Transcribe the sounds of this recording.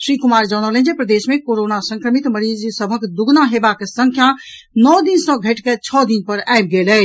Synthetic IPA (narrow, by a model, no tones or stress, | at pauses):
sɾikumaɾd͡ʒanələ̃nd͡ʒepɾəd̪esmẽkoɾonasə̃ŋkɾəmit̪məɾed͡ʒsəbʱəkd̪uɡnaɦebakesəŋkʰja | nɔd̪insə̃ɡʱəʈket͡ʃʰɔd̪inpəɾajb̚ɡelɛ